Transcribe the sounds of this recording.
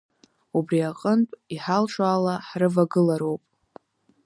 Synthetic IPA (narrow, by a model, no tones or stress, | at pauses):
ubriaqʼəntʼiħalʂʷʼaːlaħrɨvaɡɨlaɾo̞wpʼ